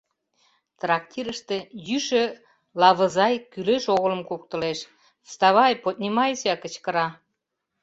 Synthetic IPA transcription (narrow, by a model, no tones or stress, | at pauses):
t̪rɑk̚t̪ʲiɾəʃt̪ĕjyʃø̆ | lɑβə̆zɑjkyleʃoɣə̆lə̆mkuk̚t̪ə̆leʃ | st̪ɑβɑjpot̪̚nʲimɑjsiɑkə̆t͡ɕkə̆ɾɑ